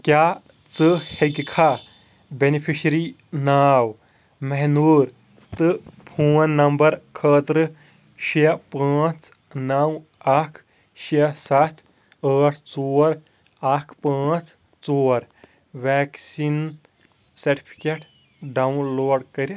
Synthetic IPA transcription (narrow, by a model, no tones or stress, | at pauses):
kʲjaː | t͡sɨheɡikʰa | benipʰiʃɾi | naːw | mɐɦnuːɾ | t̪ɨpʰuːnnːɐmbɐɾkʰəːt̪ɾɨ | ʃiɐpãːt͡s | nɐw | ɐkʰ | ʃiɐsɐt̪ʰ | əːʈʰt͡soːɾ | ɐkʰpãːt͡s | t͡soːɾ | ʋɛːksin | sɐɾʈi̥pʰi̥keʈ | ɖɐwnloːɖkɐɾʲ